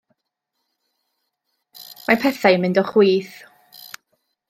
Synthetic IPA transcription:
mapʰɛθajmɪndɔχwiːθ

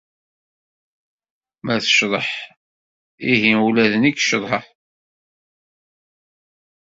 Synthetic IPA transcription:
mæθə̥ʃðˤəħ | iɦiulæðəniɡʃðˤħəħ

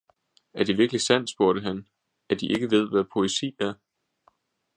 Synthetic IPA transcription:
æɐd̥iʋiɐɡ̥lisæn̰d̥sb̥oɐɾ̥əɦæn | æɐd̥iʔe̝ɡ̥əʋe̝ð̞̰ˠʋæpʰo̝esḭːæɐ

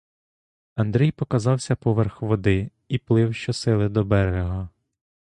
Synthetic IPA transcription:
ɐnd̪ɾʲɛjpɔkɐzɑwsʲɐpɔʋɛrxʋɔd̪ɪ | iplˠɪwʃt͡ʃɔsɪlˠɪd̪ɔbɛɾɾeɦɔ

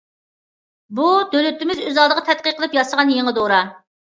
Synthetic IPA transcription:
bud̪ølyt̪ɪmɪzøzɑlˠd̪əʁɑt̪ʰɛt̪̚qəqʰːəlˠɨpjɑsəʁɑnjeŋəd̪oɾɑ

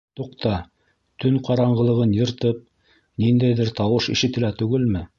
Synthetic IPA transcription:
t̪uqt̪ɑ | t̪ɵɴqɑɾɑɴɢɤ̆lˠɤ̆ʁɤnjɤ̆ɾt̪ɤp̚ | nind̪æjðɘɾt̪ɑwɤʃḭʃɘ̆t̪ɘ̆læt̪ʉɡɘlmɘ

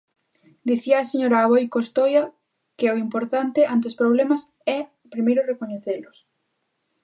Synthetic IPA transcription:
d̪iθiɐːseɲoɾaːβojkost̪ojɐ | kɪoimpoɾt̪ant̪ɪʔant̪eospɾoβ̞lɛmɐs | ɛ | pɾimejɾʊrekoɲeθelʊs

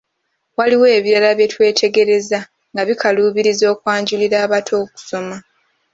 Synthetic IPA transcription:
waliwe̞ːβiɾalaβje̞twe̞ːtʰe̞ɡe̞ɾe̞za | ŋɡaβikʰaluːβiɾizo̞ːkwaːɲɟuliɾaːβatʰo̞ːku̥so̞ma

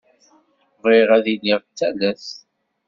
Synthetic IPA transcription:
viʁæðiniʁt͡sːælæs

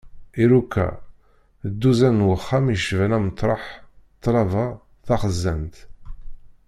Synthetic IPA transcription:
iɾukːæ̰ | d̪ːuzænwəχːamiʃvænæmt̪ˤːɾˤɑħt̪ˤːɾˤɑvɑ | θɑχəzːænt̪

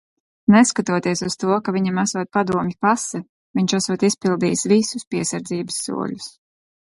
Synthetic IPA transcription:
nɛskat̪uɔt̪iɛsuz̥t̪uɔkaviɲamasuɔt̪̚pad̪uɔmʲipasɛ | viɲt͡ʃasuɔt̪ispilˠd̪iːjsvisuspiɛsaɾd̪ziːbɨsːṵɔ̰ʎus

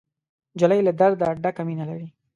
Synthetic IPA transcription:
d͡ʒalajlad̪aɾd̪aːɖakaminalaɽi

